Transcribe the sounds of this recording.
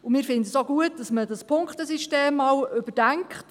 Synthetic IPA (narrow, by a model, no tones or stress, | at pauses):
ʊmɪːɾfɪndəsoɡuət̚d̥ɑsmədɑspʰʊŋkχtəsiʃteːmːɑːwʏb̥əd̥æŋkχt